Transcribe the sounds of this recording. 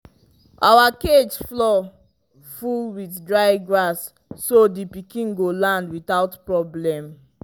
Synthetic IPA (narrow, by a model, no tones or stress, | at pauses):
ʔa̰waked͡ʒflɔ | fulwitdɹaɪɡɹasː | odipikĩnɡolãndwitaʊtpɹɔblɛ̃m